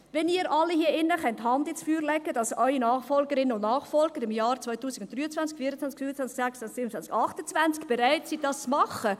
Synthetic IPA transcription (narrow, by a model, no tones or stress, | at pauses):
vɛniːəɾʔɑlːihiəʔɪnːəχɛnthɑndɪt͡sfyːɾlɛɡəd̥ɑsœʏinɑːχfɔlɡəɾɪnəʊnnɑːχfɔlɡ̥əɾɪmjɑːɾt͡svɔʏtuːsɪɡʊnt̚d̥ɾyːət͡sʋant͡skfiːɾət͡sʋant͡skfyːɾət͡sʋænt͡sksɛksansiːbn̩t͡sant͡skɑχtət͡svant͡skb̥eɾaɪtsidɑst͡smɑχə